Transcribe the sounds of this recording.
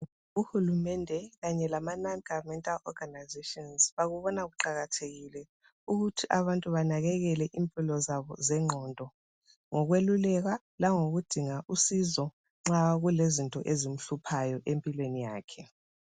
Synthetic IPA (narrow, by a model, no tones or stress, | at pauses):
uhulumɛndʱɛɣaɲɛlamananɡavmɛntʼalɔɡ̥ʱanajzetʼɔnsβaɣuβɔnaɣuǃaɣatʰeɣilɛ | uɣutʰiʔaβantʼuβanaɣɛɣɛlɛʔimpʼilɔzaβɔ̰zɛŋ͡ǃʱɔndʱɔ | ŋɔɣwelulɛɣa | laŋoɣud̥ʱiŋaʔusizɔ | ŋ͡ǁaɣulezintʼɔ̰ʔezim̩ɬupʰajɔʔempʼilwenija̰ːkʰɛ